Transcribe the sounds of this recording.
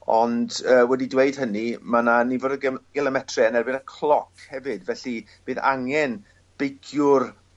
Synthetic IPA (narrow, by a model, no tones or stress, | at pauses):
ɔ̰ndəːwɛdidweɨd̥hənimananivoːdəɡ̥ɛlˠəmɛtʰriənɛrbɪnəkʰlˠɔkʰhɛvɨdvɛɬi | b̥eːða̰ŋɛn | b̥ejkʰjʊr